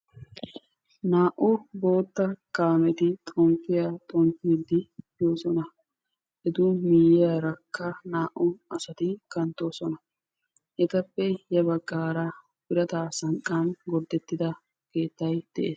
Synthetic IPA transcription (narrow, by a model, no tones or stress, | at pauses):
naːʔʊbo̞ːt̪ːɐkaːmɛt̪ɪt̪ʼɔmpːɪjat̪ʼɔmpiːd̪ɪjoːsɔnɐ | ʔɛd̪uːmijɪjaɾɐkːɐnaːʔʊɐsɐt̪ɪkɐnt̪ːo̞ːsɔnɐ | ʔɛt̪ɐpːɛjɐbɐɡʼːaːɾa | bɪɾɐt̪aːsɐŋkʼːanɡɔɾd̪ɛt̪ːɪd̪ɐ | ke̞ːt̪ːɐjd̪̥ɛʔeːs